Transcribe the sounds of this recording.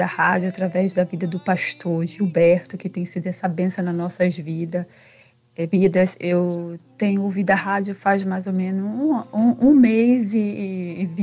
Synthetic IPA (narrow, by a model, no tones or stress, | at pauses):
ɐhad͡ʒjʊat̪ɾavɛzd̪ɐvid̪ɐd̪ʊpaʃt̪ʰoɾʒiwbɛɾt̪ʊkɪt̪ẽj̃sid̪ʊɛsɐbẽsɐ̃nɐnɔsɐzvid̪ɐ | ɛvid̪ɐsewt̪ẽɲʊovid̪ʊɐhad͡ʒʊfazmajzomẽnʊzũũũmejzɪv